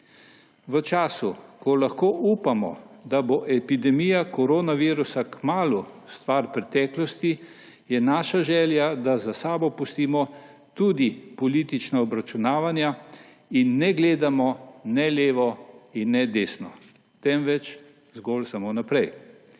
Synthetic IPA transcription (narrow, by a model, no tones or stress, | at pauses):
ʋət͡ʃaːsukɔlaxkoːʔuːpamɔ̰d̪aboʔɛpid̪ɛmijakɔɾoːnaʋiːɾusakmaːlust̪ʋaɾpɾɛt̪ɛːklɔst̪i | jɛnaːʃaʒɛːljad̪azasaːbɔpust̪iːmɔ | t̪uːd̪ipɔliːt̪it͡ʃnaɔbɾat͡ʃunaːʋanja | inːɛɡleːd̪amɔnɛleːʋɔinːɛd̪eːsnɔ | t̪ɛmʋɛt͡ʃ | zɡolsamonapɾɛj